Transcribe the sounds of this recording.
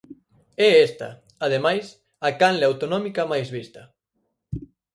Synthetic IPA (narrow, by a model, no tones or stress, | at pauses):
ɛest̪ɐ̰ | að̞emajs | akanleawt̪onɔmikɐmajzβist̪ɐ